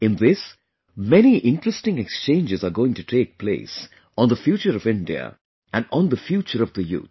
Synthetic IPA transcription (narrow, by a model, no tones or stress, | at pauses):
ɪ̃nðɪs | mɛniʔɪ̃nʈɾəsʈɪ̃ŋekst͡ʃẽːnd͡ʒɪzaɾɡoːɪ̃ŋʈuʈʰeːk̚pʰlḛːs | ɔ̃nd̪əfjuːt͡ʃəɾɔvɪ̃nɖḭə̰ | ʔæ̃nɖɔ̃nd̪əfjuːt͡ʃəɾɔvd̪əjṵːt̪̚